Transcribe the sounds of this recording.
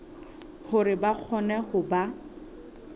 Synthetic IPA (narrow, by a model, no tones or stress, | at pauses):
hʊɾɪbak͡xʰɔnɛhʊba